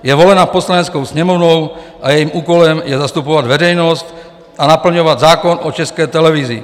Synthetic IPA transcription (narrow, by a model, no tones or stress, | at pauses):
jɛvolɛnaːposlaɲɛt͡skowsɲɛmɔvnɔw | ʔajɛjiːmuːkolɛmjɛzast̪upovad̪vɛɾɛjnɔst̪ | ʔanapl̩ɲɔʋad̪zaːkɔnʔot͡ʃɛskɛːt̪ɛlɛvizḭ